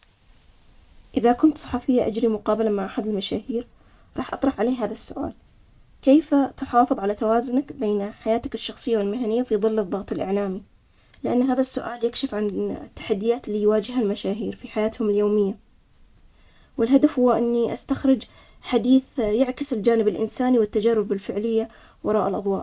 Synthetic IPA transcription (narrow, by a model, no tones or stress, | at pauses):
ʔɪðakʊnt̪sˤɑ̥ħɑfɪjːaʔad͡ʒɾimʊqɑːbalamaʕʔaħad̪ɪlmaʃaːhiːɾ | ɾˤɑːħʔɑt̪ˤɾˤɑħʕaleːɦaːðasːʊʔa̰ːl | keːfat̪ʊħɑːfɨðˤʕalat̪awaːzʊnakbeːnħajaːt̪akɪʃːɑxsˤɨjːawɪlmɪɦanɪjːafiðˤɨlːɨðˤːɑɣt̪ˤɪlʔɪ̰ʕlaːmi | lɪʔanːɦaːðasːʊʔaːljakʃɪfʕant̪ːḁħad̪ːɪjaːt̪lːijwaːd͡ʒɪhalmaʃaːɦiːɾfiħajaːt̪hʊmɪljoːmɪjːa | wɪlɦad̪afhʊwːaʔɪnːiʔast̪axɾɪd͡ʒ | ħad̪iːθjaʕkɪsɪld͡ʒaːnɪbɪlʔɪ̰nsaːniwɪt̪ːad͡ʒarːʊbɪlfɪʕlɪjːa | wɑɾˤɑːʔalʔɑðˤwɑːʔ